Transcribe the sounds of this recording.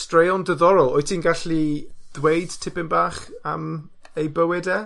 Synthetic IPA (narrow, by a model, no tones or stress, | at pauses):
strejɔndəðɔɾɔlˠoɨtʰiːnɡaɬið̥wejd̥tʰɪpɪnbaːχam | ejbəwɪdɛ